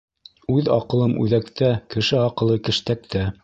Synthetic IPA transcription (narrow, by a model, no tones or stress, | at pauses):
ʉðɑ̰qɤ̆lˠɤmʔʉ̰ðækt̪ækɘ̆ʃɘɑqɤ̆lˠɤkɘ̆ʃt̪æk̚t̪ʰæ